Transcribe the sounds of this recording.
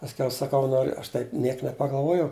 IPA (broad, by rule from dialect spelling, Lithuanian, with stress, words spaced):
pɐsʲˈkʲɛʊ sɐˈkɐʊ ˈnoːrʲʊ ˈɐʃ tɐɪp ˈnʲiɛk nʲɛpɐɡɐlˠˈʋuɔjɛʊ